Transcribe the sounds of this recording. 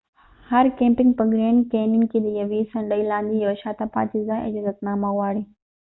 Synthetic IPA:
hɐɾkẽːmpɪŋɡpɾoɡɾẽːɳɖkeːnɪŋkid̪ijɐʋiːsɐ̃ɳɖəilãːnd̪ijoːʃaːt̪apa̰ːt̪izãːʔɐ̰d͡ʒaːzɐt̪naːmauaːɽiː

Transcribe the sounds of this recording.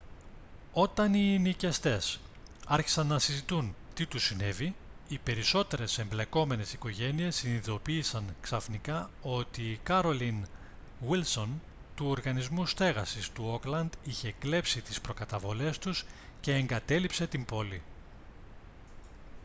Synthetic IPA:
o̞t̪ɐninice̞st̪e̞sɐɾçi̥sɐnːɐsizit̪un | t̪it̪usine̞viipe̞ɾiso̞t̪e̞ɾe̞se̞mble̞ko̞me̞ne̞siko̞ʝe̞nie̞siniðo̞piːsɐŋksɐfnikɐo̞t̪ikɐɾo̞lin | wilso̞n | t̪uoɾɣɐnizmust̪e̞ɣɐsist̪uo̞klɐnd̪içe̞kle̞psit̪ispɾo̞kɐt̪ɐvo̞le̞st̪usce̞ːŋɡɐt̪e̞lipse̞t̪imbo̞li

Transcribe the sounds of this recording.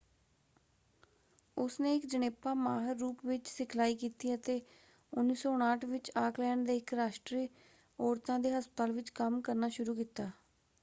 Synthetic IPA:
ʊsneːɪkd͡ʒəneːpãːmaːɦəɾːuːpʋɪt͡ʃsɪkʰlaːiːkiːt̪iːət̪eː | ʊnːiːsoːʊɽ̃aːʈʰʋɪt͡ʃaːklɛːɳɖd̪eːɪkɾaːʃʈɾiː | oːɾt̪ãːd̪eːɦəspət̪aːlʋɪt͡ʃkəmkəɾnaːʃʊɾuːkiːt̪aː

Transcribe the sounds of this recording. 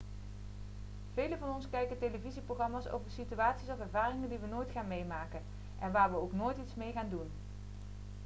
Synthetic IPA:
v̥ejləvɑnɔnskɛjkəntejləviziprowχɑmaːso̰wvəɹsityaːtsisɔfɛɹvaːrɪŋəndiʋənoːjtχaːnmejmaːkən | ʔɛnʋaːɹʋəowknoːjtitsmejχaːndun

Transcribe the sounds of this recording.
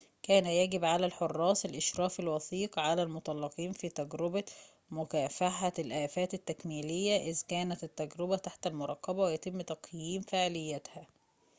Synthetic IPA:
kæːnæjæɡɪbʕalælħorˤːɑːsˤɪlʔɪʃɾˤɑːfelwɑθiːqʕalælmot̪ˤɑlːɑqiːnfiːt̪æɡɾɪbæ | mʊkæːfaħalʔæːfæːt̪ɪt̪ːækmiːlɪjːæʔɪzkæːnæt̪ɪt̪ːæɡɾɪbæt̪aħt̪ælmʊɾˤɑqːɑbæwejæt̪ɪmːt̪ɑqjiːmfeʕlɪjːæt̪hæ

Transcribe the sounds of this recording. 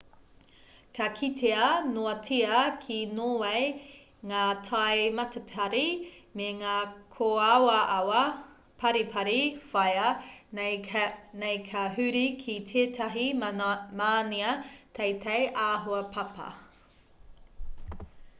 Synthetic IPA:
kʰɐkʰitʰeɐnoɐtʰiɐkʰinoːwej | ŋaːtʰɐjmɐtɐpʰɐɾimeŋaːkʰoawɐwɐ | pʰɐɾipʰɐɾifɐjɐ | nejkʰɐɦʉɾikʰitʰeːtʰɐɦimaːniɐtʰejtʰejʔaːɦoɐpʰɐpɐ̰

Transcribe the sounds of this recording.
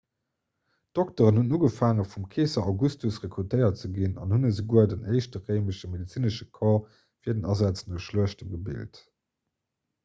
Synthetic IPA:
d̥ɔk̚təʁənhunuːɡəfaːŋəfumkʰeːsɐɑʊɡustusʁekʁutʰəɪɐt͡səɡinɑ̰nhunəzəɡuɐdənɜɪʃtəʁəɪməʃəmedit͡siːnəʃəkʰɑː | fiːɐdənɑzat͡snoʊʃluəʃtəmɡəbḭlt

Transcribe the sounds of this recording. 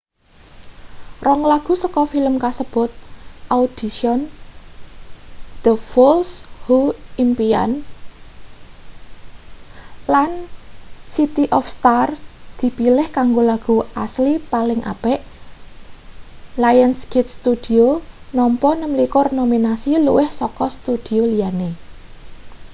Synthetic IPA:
rɔŋlaɡ̥ṳsɔkɔfiləmkasəb̥ʊ̤t̪̚ʔaud̪̥i̤siɔn | d̪̥əfɔlshuimpia̰n | lan | sit̪iʔɔfst̪arsd̪̥i̤pilɪhkaŋɡolaɡ̥uaslipalɪŋʔa̰b̥ɛʔ | lajənsɡit̪̚st̪ud̪̥i̤onɔmpɔnəmlikɔrnominasilṵwʔɪhsɔkɔst̪ud̪̥i̤olijane

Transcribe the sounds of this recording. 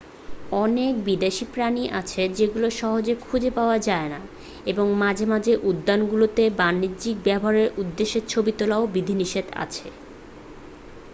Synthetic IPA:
ɔnek̚bid̪eʃipɾaniʔa̰t͡ɕʰed͡ʑeɡuloʃɔɦod͡ʑekʰud͡ʑepaoad͡ʑaena | eboŋmad͡ʑʱemad͡ʑeʔud̪ːanɡulot̪ebanːid͡ʑik̚bɛbʱoaɾeɾud̪ːeʃːeɾt͡ɕʰobit̪olaobid̪ʱiniʃed̪a̰t͡ɕʰe

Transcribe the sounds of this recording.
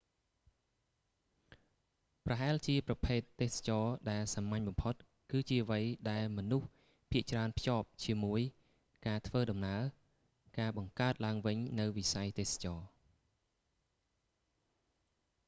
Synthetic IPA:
prɑɦaɛlt͡ɕiəprɑpʰeːt̪ːeːsḁt͡ɕɑːɗaɛlsamːaɲɓɑmpʰot̪̚ | kɨːt͡ɕiəʋəjɗaɛlmɔnuh | pʰiəʔt͡ɕraənpʰjoːp̚t͡ɕiəmuəj | kaːt̪ʰʋəːɗɑmnaə | kaːɓɑŋkaət̪̚laəŋʋɨɲnɨwʋisajt̪eːsḁt͡ɕɑː

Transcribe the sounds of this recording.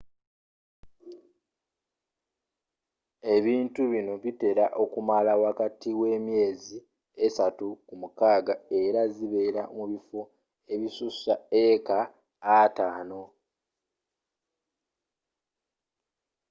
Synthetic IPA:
e̞βiːntuβino̞βite̞ɾaʔo̞kumalawakatiwe̞ːmje̞ːzi | esatukumukaːɡae̞ɾaziβe̞ːɾa̰muβifo | e̞βisusaekaː | taːno̞

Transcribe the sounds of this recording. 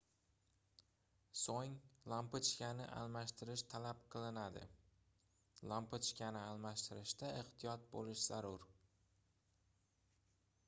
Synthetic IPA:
soŋlˠampɪt͡ʃkʲanɪʔa̰lˠmaʃt̪ʰɪɾɪʃt̪ʰalapqʰɨlˠɪnad̪ɪ̰ | lˠampʰʊt͡ʃkʲanɪalˠmaʃt̪ʰɪɾɪʃd̪aeht̪ʰɪjɒt̪̚bo̰lɪʃz̥aɾʊɾ

